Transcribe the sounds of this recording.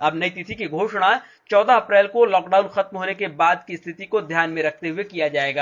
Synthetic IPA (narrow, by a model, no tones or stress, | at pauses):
ɐbnɐɦit̪ɪt̪ʰikiɡʱoːʃɽ̃a | t͡ʃɔːd̪aɐpɾɛːlkolɔːkɖaːʊnxɐt̪mɦoːnekebaːd̪kist̪ʰɪt̪ikod̪ʱjaːnmẽɾɐk̚ʰt̪eɦʊekijad͡ʒaːeːɡaː